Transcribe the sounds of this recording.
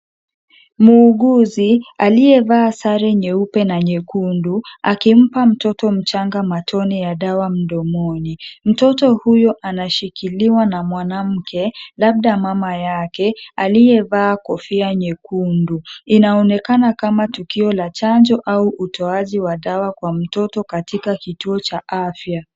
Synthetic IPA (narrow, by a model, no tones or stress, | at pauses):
muːɠuzialijɛvaːsaɾɛɲɛupɛnaɲɛkunduakim̩pam̩tɔtɔm̩t͡ʃaŋɡamatʰɔnijaɗawam̩ɗɔmɔnim̩tɔtɔhujɔʔanaʃikiliwanamwanam̩kʰɛlab̚ɗamamajakɛalijɛvaːkɔfiaɲɛkunduinaɔnɛkanakamatukiɔlat͡ʃand͡ʒɔʔauʔutʰɔaʄiwaɗawakwam̩tɔtɔkatikakituɔt͡ʃaʔafja